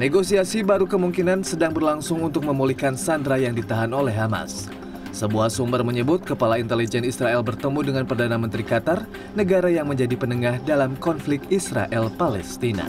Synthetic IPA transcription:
neɡosiasibaɾukəmuŋkinansədaŋbərlaŋsʊŋunt̪ʊk̚məmulihkansandɾajaŋdit̪aɦanolɛɦama̰sː | əbuahsumbərməɲəbʊt̪̚kəpalaint̪elid͡ʒɛnisɾaɛlbərt̪əmudəŋanpərdanamənt̪ɾikat̪ar | nəɡaɾajaŋməɲd͡ʒadipənəŋahdalamkɔnflɪk̚t̪isɾa̰ʔɛlpalɛst̪ina̰

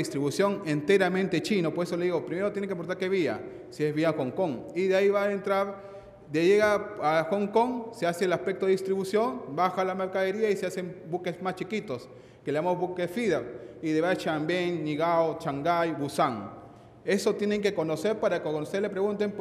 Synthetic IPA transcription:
ist̪ɾiβusjo̞ŋent̪eɾamẽnt̪et͡ʃinopoes̬oleðiɣopɾimeɾot̪jenekepount̪aɾkeβia̰ | sie̞zβiaxoŋkoŋiðeaiβaent̪ɾaɾ | d̪eʝeɣaaxoŋkoŋseaseelaspek̚t̪oeist̪ɾiβusjo̞nbaxalameɾkaðeɾiaisease̞mbukezmast͡ʃikit̪os | keleamozβukesfiðepiðeβat͡ʃambeŋniɣaot͡ʃaŋɡajbusaŋ | e̞sot̪je̞neŋkeko̞noseɾpaɾakooust̪elepɾeɣunt̪̬em

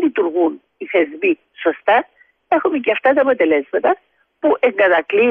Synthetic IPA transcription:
lit̪uɾɣun | iθe̞zmi | so̞st̪ɐ | e̞xumeceɐft̪ɐt̪ɐpo̞t̪e̞le̞zmɐt̪ɐ | puʔe̞ŋɡɐðɐkli

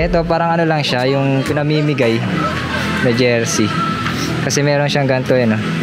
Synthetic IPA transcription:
ʔɛt̪o̞paːɾɐŋʔɐno̞lɐŋʃajʊŋpɪnɐmiːmɪɡaj | nɐd͡ʒɛɹsi | kɐsɛmɛːɾo̞nʃaŋɡɐnt̪oʔɐno̞

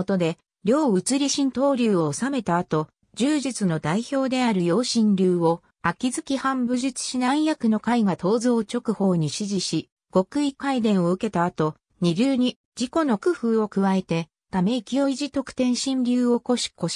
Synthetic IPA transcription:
ot̪o̞d̪e̞ | ɾʲo̞ːɯt͡sɨɾʲiɕĩnt̪o̞ːɾʲɯːoːsame̞t̪aːt̪o̞ | d͡ʑɨːʑit͡sɨno̞d̪aiço̞ːd̪e̞aɾɯ̟jo̞ːɕĩnɾʲɯːo̞ | akʲizɨkʲihãmbɯ̟ʑɨt͡sɨ̥ɕinãɰ̃jakɯ̟no̞kaiɡat̪o̞ːzo̞ːt͡ɕo̞kɯ̟ho̞ːɲ̟iɕiʑiɕi | ɡ̥o̞kɯ̟ikaid̪ẽ̞ɰ̃o̞ɯ̟ke̞t̪aːt̪o̞ | ɲ̟iɾʲɨːɲ̟i | d͡ʑiko̞no̞kɯ̟ɸɯːo̞kɯ̟βae̞t̪e̞ | t̪ame̞ikʲio̞iʑit̪o̞kɯ̟̥t̪ẽ̞ɰ̃ɕĩɲɾʲɨːo̞koɕi̥koɕi̥

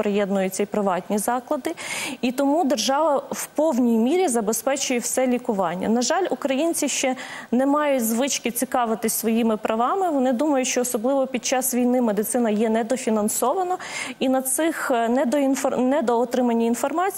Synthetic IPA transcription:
pɾejɛd̪nʊjʊt͡sʲːɐpɾɪʋɑtʲnʲizɑklˠɐd̪ɪit̪ɔmud̪erʒɑʋɐwpɔwnʲijmʲiɾʲizɐbespɛt͡ʃʊjɛwsɛlʲikʊʋɑnʲːɐ̰nɐʒɑlʲʊkɾɐjinʲt͡sʲiʃt͡ʃɛnɛmɑjʊtʲzʋɪt͡ʃkɪt͡sʲikɑʋɪt̪ɪsʲsʋɔjimɪpɾɐʋɑmɪʋɔnɪd̪umɐjʊʃt͡ʃɔːsɔblˠɪʋɔpʲid̪̚t͡ʃɑsʋʲijnɪmed̪ɪt̪sɪnɐjɛnɛd̪ɔfʲinɐnsɔʋɐnɔ | inɐsɪxnɛd̪ɔinfɔnɛd̪ɔːt̪ɾɪmɐnʲːɐinfɔrmɑt͡sʲ

